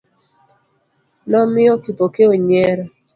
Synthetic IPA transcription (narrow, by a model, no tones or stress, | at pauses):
nɔmɪɔkipokeoɲɛɾ